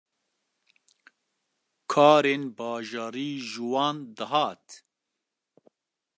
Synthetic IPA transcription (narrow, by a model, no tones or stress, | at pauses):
kʰɑːɾeːnbɑːʒɑːɾiːʒɨwɑːnd̪ɨɦɑːt̪